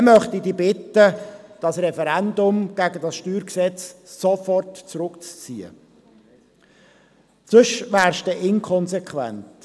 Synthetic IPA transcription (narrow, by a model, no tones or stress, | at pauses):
mœχt̪idiːbɪtəd̥ɑsrɛfɛɾænd̪ʊmɡ̥æɡədɑsʃtyːɾksɛt͡ssɔfɔrtt͡sɾʊkt͡st͡siə̰ | sɵʃʋæːɾʃtɛʔɪnkʰχɔnsɛkχʋæ̰nt